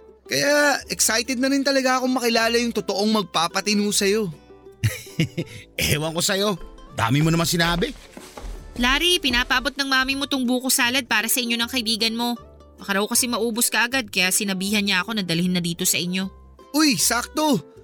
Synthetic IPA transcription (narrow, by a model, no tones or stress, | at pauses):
kɐjaɛksajt̪ɛd̪̚nɐɾɪnt̪ɐlɐɡaʔɐko̞ŋmɐkɪlaːlɐjʊŋt̪ot̪oʔo̞ŋmɐɡ̚paːpɐt̪ɪnuːsɐjo̞ | ʔɛːwɐŋko̞sɐjo̞d̪a̰ːmɪmonɐmansɪnaːbɛ | laːɾipɪnaːpɐʔɐbo̞t̪̚nɐŋmaːmɪmo̞t̪oŋbuːkosaːlɐd̪̚paːɾɐsɐʔɪɲːo̞nɐŋkɐʔɪbiːɡɐnmo̞ | mɐkɐɾɐokɐsɛmɐʔuːboskɐʔɐɡad̪̚kɐjaʔsɪnɐbiːhɐnɲaɐko̞nɐd̪ɐlɪhɪnːɐd̪iːt̪o̞sɐʔɪɲːo̞ | ʔojsak̚t̪o̞